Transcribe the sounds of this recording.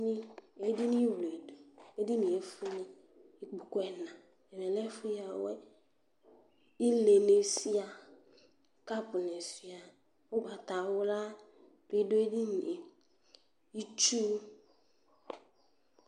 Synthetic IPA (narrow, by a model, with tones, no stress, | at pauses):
nɪ̃˦e˦di˦nĩ˦wle˨do˨e˦di˦nĩ˨e˨fʊ˦nɪ˦ | i˦k͡pu˨kʊ˦ɛ˨nã˨ | ɛ˨mɛ˨lɛ˦fʊ˦ja˨wɛ˦ | i˦le˨ne˨si˦a˨˦ | ka˦pʊ˨ne˨si˨a˨ | ʊ˦ɡ͡ba˨ta˨wʊ˦la˦ | be˨do˦e˦di˦n˨e˨ | i˦t͡ʃu˦